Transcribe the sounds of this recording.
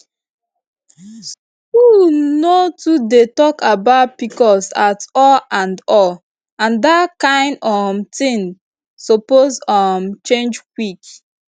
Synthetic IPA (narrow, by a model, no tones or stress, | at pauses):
s | kulnotudetɔkabaʊt̚pikɔsatɔlãndɔl | ãndatkãɪ̃ndɔmtĩn | sopozɔmt͡ʃẽnd͡ʒkwik